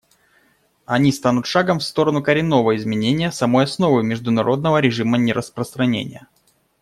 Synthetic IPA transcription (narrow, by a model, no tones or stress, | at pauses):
ɐnʲist̪anʊt̪ʂaɡəmfst̪o̞ɾənʊkəɾʲɪnːo̞vəɪzmʲɪnʲenʲɪjəsɐmojɐsno̞vɨjmʲɪʐd̪ʊnɐɾʔo̞d̪̚nəvəɾʲɪʐɨmənʲɪɾʔəspɾəst̪ɾɐnʲḛnʲɪ̰jə